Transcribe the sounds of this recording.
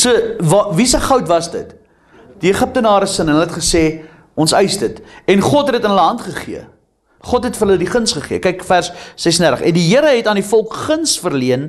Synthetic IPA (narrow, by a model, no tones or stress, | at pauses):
səvvisəχəwtvɐsdə̰t | d̥iəχəp̚tənɑːɾəsənnəlɛtχəseː | ɔnsəjsdətɛnχɔtɦɛdətənɦələɦɐntχəχiə | χɔtɦɛtfərɦələdiχənsχəχiəkɛjkfærsːɛsəndærtəχɛ̰ndiɦiəɾəɦɛtɑːndifɔlˠkχənsfərliən